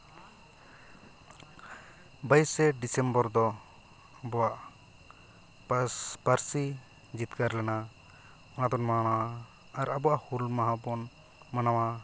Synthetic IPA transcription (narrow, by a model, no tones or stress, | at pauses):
bajsɛɖisɛmbɔɾd̪ɔ | abɔwaʔ | paɾsi | d͡ʒit̪kaɾlɛna | ɔnad̪ɔnmaɽ̃awaː | ɾabɔwaʔhulmaɦabɔn | manawa